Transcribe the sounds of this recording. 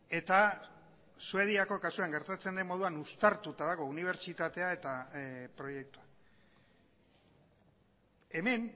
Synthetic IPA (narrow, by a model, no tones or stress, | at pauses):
e̞t̪a | sue̞ð̞iako̞kasuaŋɡe̞ɾt̪at͡se̞nd̪e̞nmo̞ð̞uanust̪aɾt̪ut̪aðaɣo̞uniβ̞e̞ɾt͡ʃit̪at̪e̞ae̞t̪apɾo̞je̞k̚t̪ua | e̞me̞n